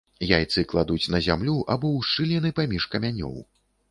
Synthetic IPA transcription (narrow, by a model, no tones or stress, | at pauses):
jajt̪sɨklˠad̪ut͡sʲnɐzʲamlʲuʔabɔwʂt͡ʂːɨlʲɛnɨpamʲiʂkɐmʲanʲɔ̰w